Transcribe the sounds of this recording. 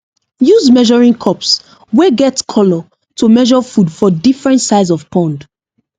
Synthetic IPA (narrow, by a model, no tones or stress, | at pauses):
juzmɛʒɔɹĩŋkʰɔps | wɛɡɛtskʰɔlɔ | tʰumɛʒɔfudfɔdifɹɛ̃ntsaɪzɔv̥pʰɔ̃nd